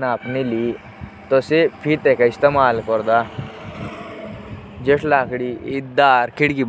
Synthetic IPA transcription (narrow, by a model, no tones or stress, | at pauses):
naːpnili | t̪ɔsepʰiɾt̪ekaist̪emaːlkɔɾd̪a | d͡ʒeʂlaːkɽiːd̪aːɾkiɽkib